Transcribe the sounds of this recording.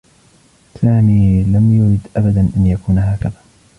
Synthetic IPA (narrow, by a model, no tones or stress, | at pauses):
saːmiːlamjʊɾɪd̪ʔabad̪anʔanjakuːnɦaːkaðaː